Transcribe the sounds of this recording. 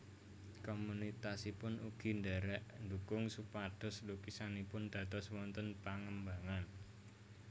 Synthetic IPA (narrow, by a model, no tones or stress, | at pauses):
komunit̪asipʊnʔuɡ̥i̤ndɛɾɛʔnd̪ukʊŋsupad̪̥ɔ̤slukisanipʊnd̪̥ä̤t̪ɔswɔnt̪ənpaŋəmbaŋan